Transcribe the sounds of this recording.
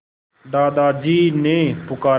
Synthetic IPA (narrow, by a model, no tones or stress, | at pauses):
d̪aːd̪aːd͡ʒiːnẽːpʊkaː